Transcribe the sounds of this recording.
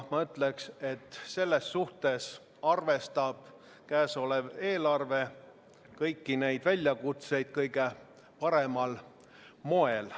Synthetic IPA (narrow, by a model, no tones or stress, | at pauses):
mɑyt̪ːˑlekse̞t̪ːse̞lːe̞sːuht̪e̞s | ɑrve̞st̪ɑb̥ | kæːsoleve̞ːlɑrve̞ | kɤjkːine̞jd̪̥vælʲjɑkut̪se̞jd̪̥̚kɤjɡ̥e̞ | pɑɾe̞mɑl | mo̞e̞l